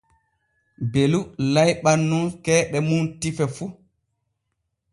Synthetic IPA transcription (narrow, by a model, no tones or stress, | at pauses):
belulajɓanːunkɛːɗɛmuntifɛfu